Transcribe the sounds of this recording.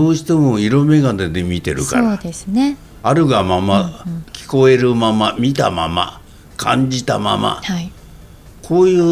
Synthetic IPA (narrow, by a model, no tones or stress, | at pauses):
oːɕi̥t̪emoiɾo̞me̞ɡad̪ed̪emʲit̪e̞̰ɾɯ̟ka̰ɾad̪esɨne | aɾɯ̟ɡamamakʲʰi̥ko̞eɾɯ̟mamamʲit̪a̰ma̰ma̰ | kʰãɲ̟d͡ʑit̪ama̰ma̰hai | kʰoːjɯ̟ː